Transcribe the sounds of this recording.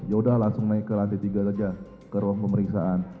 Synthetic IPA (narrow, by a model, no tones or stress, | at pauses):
jaudahlaŋsʊŋnaikːəlant̪it̪iɡakəd͡ʒa | kəɾuaŋpəməɾiksa̰ʔan